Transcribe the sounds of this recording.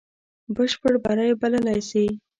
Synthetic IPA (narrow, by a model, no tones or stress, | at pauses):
bəʃpəɽbaɾajebaləlajsi